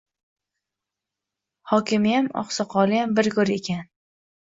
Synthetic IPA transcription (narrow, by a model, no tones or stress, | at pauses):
hɒkʲʰɪmɪjamɒ̰χsɒqʰɒlˠɪjambɪɾɡɵɾe̞kʲʰan